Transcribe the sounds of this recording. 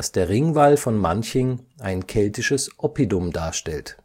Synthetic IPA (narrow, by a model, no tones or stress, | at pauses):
sd̥eːɐʁɪŋvalfɔnmançəŋʔaɪnkʰɛltɪʃəsʔɔpidʊmdaːɐʃtɛlt